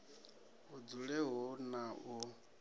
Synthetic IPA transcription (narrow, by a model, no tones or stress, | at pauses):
ud͡zuɺɛɦunau